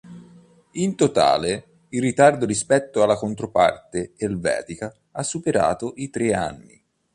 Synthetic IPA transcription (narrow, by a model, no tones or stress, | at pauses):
int̪ot̪a̰ːle | ilrːit̪ard̪oɾispɛt̪ːoalːakont̪ɾopa̰rt̪eelvɛ̰ːt̪ika | asːupeɾa̰ːt̪oʔit̪ɾea̰nːḭ